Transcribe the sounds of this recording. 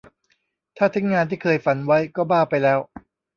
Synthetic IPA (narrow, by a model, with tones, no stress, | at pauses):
t̪ʰaː˥˩t̪ʰi˦˥ŋːaː˧nt̪ʰiː˥˩kʰɤː˧jfa˧˩nwa˦˥jkɔː˥˩baː˥˩pa˧jlɛː˦˥w